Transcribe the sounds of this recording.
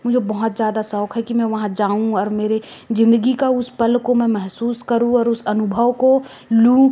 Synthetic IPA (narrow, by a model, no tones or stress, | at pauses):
mʊd͡ʒʱebɐɦʊt̪zjaːd̪asɔːkɦɛkimɛ̃ʋɐɦãd͡ʒaːũɔːɾmeːɾezɪ̃nd̪əɡikaʊspɐlkomɛ̃mɛɦsuːskɐɾũɔːɾʊsɐnʊbʱəʋko | lũ